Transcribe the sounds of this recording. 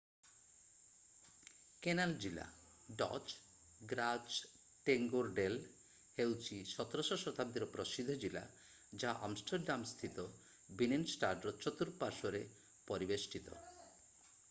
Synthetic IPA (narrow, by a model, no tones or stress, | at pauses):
kenald͡ʑila̰ | ɖɔ̰t͡ʃ | ɡɾad͡ʒ | ʈeŋɡoɾɖel | hewt͡ʃʰiʃɔt̪ɾoʃosɾot̪ʰab̚d̪iɾopɾosid̪ʱod͡ʑila̰ | d͡ʑaʔɔ̰msʈʰaɾɖamst̪ʰit̪o | bininsʈaɾɖɾot͡ʃot̪uɾpaɾʃoɾe | pɔɾibesʈʰit̪o̰